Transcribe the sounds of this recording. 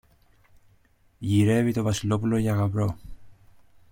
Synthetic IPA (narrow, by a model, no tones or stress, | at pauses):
ʝiɾe̞vit̪o̞vɐsilo̞pulo̞ʝɐɣɐvɾo̞